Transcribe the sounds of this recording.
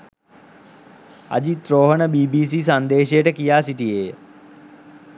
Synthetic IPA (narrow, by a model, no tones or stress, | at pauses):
a̰d͡ʑit̪ɾoːɦənəbiːbiːs̬is̬and̪eːʃejəʈəkijaːsiʈijeː